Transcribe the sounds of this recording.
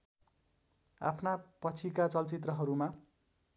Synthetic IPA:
a̰pʰnapʌt͡sʰikat͡sʌlt͡sit̪rʌɦʌɾuma

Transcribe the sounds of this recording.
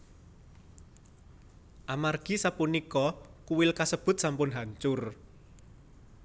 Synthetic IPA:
ʔamarɡ̥i̤sapunikɔkuwɪlkasəb̥ʊ̤t̪̚sampʊnɦaɲt͡ʃʊr

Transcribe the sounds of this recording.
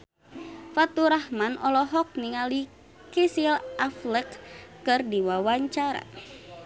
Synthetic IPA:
fat̪uɾahmanɔlɔɦɔk̚niŋali | kisilafləkːɨrdiwawaɲt͡ʃaɾa̰

